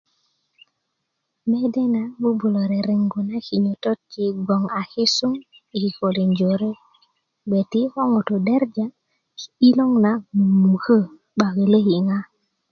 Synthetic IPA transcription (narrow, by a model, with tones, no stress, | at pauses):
mɛ˦dɛ˦na˨bu˦bu˨lo˨ɾe˨ɾi˨ŋɡu˨na˦ki˨ɲo˨tɔ˦t̚t͡ʃi˨ɡɔ˨ŋa˨kɪ˦su˦ŋ | i˨ki˨ko˨li˨ɲd͡ʒo˨ɾe˦ | be˨ti˦hɔ˦ŋo˨to˨dɛ˦ɾd͡ʒa˦ | i˦lo˦ŋna˨mu˨mmu˨kə˦ | ba˨ke˨le˦hi˨ŋa˦